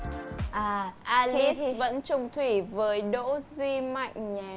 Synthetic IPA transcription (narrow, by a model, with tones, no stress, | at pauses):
ʔaː˨˩ʔaː˧li˦˥və̰˧˥nt͡ɕʊ˧ŋ͡mt̪ʰwi˧˩vəː˨˦jɗo̰˧˥zwi˧ma̰˧˨jŋ̟ɲaː˨˩